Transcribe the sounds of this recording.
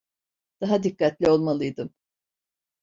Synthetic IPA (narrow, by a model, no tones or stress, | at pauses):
d̪̥aɦad̪ikːat̪lʲio̞lˠmalˠɯjd̪ɯm